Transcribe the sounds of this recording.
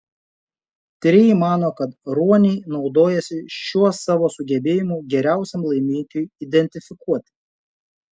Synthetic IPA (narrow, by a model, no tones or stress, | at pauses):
t̪ʲɾʲɪjmɑːnoːkɐt̪ɾuɔnʲɛɪnɒʊd̪oːjɛsʲɪʃʲuɔsɑːʋoːsʊɡʲɛbʲeːjɪmuːɡʲɛɾʲæˑʊsʲɛmlˠɐɪmʲiŋʲkʲuːjid̪ʲɛnʲt̪ʲɪfʲɪkuɔt̪ʲɪ̥